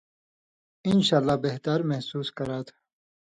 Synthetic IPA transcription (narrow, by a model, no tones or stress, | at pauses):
ɪnɕaːlːaːbeɦt̪ɐɾmɐhsuːskɐɾaːt̪ʰ